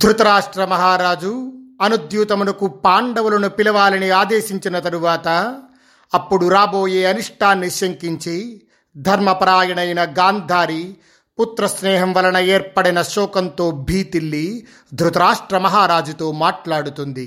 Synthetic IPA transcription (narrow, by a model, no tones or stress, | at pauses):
d̪ɾut̪ɐɾaːʂʈɾɐmɐɦaːɾaːd͡ʒuɐnud̪juːt̪ɐmulɐkupaːɳɖɐʋulɐnupilɐʋaːlɐniaːd̪eːʃiɲt͡ʃinɐt̪ɐɾuʋaːt̪ɐː | pːuɽuɾaːbo̞ːjeːɐniʂʈʰaːnːisjɐŋkiɲt͡ʃi | d̪ʱɐɾmɐpɐɾaːjɐɳɐjnɐɡaːnd̪ʱaːɾi | put̪ɾɐsnɛːɦɐmʋɐlɐɳɐeːɾpɐɽinɐʃɔːkɐnt̪oːbʱiːt̪ilːi | d̪ʱɾut̪ɐɾaːʂʈɾɐmɐɦaːɾaːd͡ʒut̪o̞ːmaːʈlaːɽut̪und̪i